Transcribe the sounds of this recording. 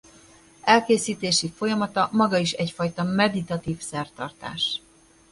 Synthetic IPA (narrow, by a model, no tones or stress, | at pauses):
ɛlkeːsiːt̪eːʃifo̞jɒmɒt̪ɒmɒɡɒiʃɛcfɒjt̪ɒmɛd̪it̪ɒt̪iːfsɛrt̪ɒrt̪a̰ːʃ